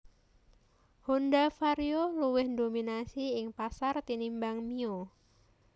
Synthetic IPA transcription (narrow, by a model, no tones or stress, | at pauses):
hondafaɾjoluwɪhdominasiɪŋpasart̪inimbaŋmio